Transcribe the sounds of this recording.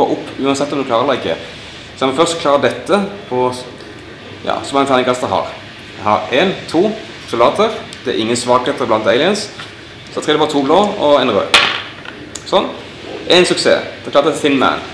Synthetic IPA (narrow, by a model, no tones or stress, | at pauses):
o̰ːʔʊpːʉːɑnsɛt̪ːɔmd̪ʉklɑːʁəɾd̪æɪɪkːə̰ | sɑmɪfœʁst̪kʰlɑːɾəd̪ɛt̪ːəpʰɔ | jɑ̰ːsɔmɑŋfʰæːnɪŋkɑst̪əɦɑ̰ːʁ | jæhɑɾeːnt̪ʰuː | sʊlɑːt̪əʁd̪̥ɛæ̰ɾʔɪŋːənsʋɑːkheːt̪əblɑnt̪eɪlɪəns | sɔɑt̪ʰʁɛd̪ɛbɑːɾət̪ʰuːbloːɔɛnʁø̰ː | sɔnː | ʔæɪnsʉksḛːd̪̥ɛklɑːʁt̪əθɪnmæ̰n